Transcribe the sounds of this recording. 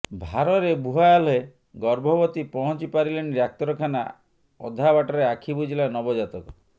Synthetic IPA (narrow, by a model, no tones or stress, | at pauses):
bʱaɾɔɾebuɦajalɔe | ɡɔɾbʱɔbɔt̪ipɔɦɔt͡ʃipaɾileniɾak̚t̪ɔɾɔkʰana̰ | ɔ̰d̪ʱabaʈɔɾeakʰibud͡ʒilanɔbɔd͡ʒat̪ɔkɔ